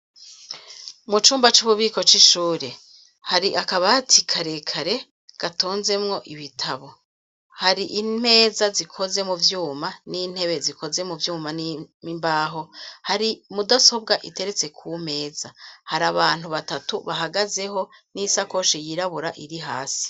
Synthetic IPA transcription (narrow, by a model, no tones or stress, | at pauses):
mut͡ʃuːmbat͡ʃuβuβiːko̞t͡ʃiʃuːɾe̞ | haɾiʔakaβatʰikʰaɾe̞kʰaɾe̞ | ɡ̥atoːnze̞mŋo̞ʔiβitʰaβo̞ | haɾiʔime̞ːzazikʰo̞ze̞muvjuːmaniːn̥he̞βe̞zikʰo̞ze̞muvjuːmanimbaːɦo̞haɾimudaso̞bɡaʔite̞ɾe̞t͡se̞kʰume̞ːzahaɾaβaːn̥huβatatuβaɦaɡaze̞ɦo̞nisako̞ʃijiɾaβuɾaʔiɾiɦaːsi̥